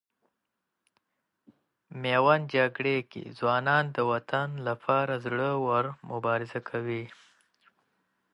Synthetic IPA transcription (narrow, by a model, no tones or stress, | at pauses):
mewand͡ʒaɡɽekḛzwɑːnɑːnd̪əwat̪anlapʰɑɾazɽəwaɾmʊbɑɾɪzakʰawi